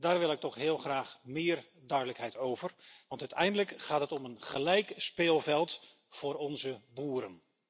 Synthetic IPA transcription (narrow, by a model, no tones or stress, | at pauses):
daːɹʋɪlˠɪk̚tɔχɦɪːlˠχraːχmɪːr | dœɥdələkɦɛjtowvərʋɑntœɥtɛjndələkχaːtɦətɔmənχəlɛjkspɪːlˠvɛlˠt | fʊːɾɔnzəbuːɾən